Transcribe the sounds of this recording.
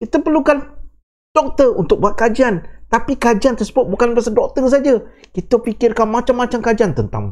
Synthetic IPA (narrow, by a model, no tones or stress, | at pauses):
kit̪əpərlukan | d̥ɔk̚t̪əunt̪ʊk̚buat̪̚kad͡ʒiant̪apikad͡ʒiant̪ərsəbʊt̪̚bukanrasadɔk̚t̪ərs̬ad͡ʒa | kit̪əpikɪrkanmãt͡ʃamːat͡ʃamkad͡ʒiant̪ənt̪a̰ŋ